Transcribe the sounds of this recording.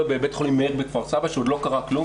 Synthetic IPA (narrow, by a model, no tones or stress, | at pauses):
bebetχolimːeʁbekvaʁsavaʃeod̪lo̞kaʁaklum